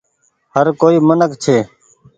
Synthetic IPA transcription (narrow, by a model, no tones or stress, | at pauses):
həɾkoːiːmənəkt͡ʃʰeː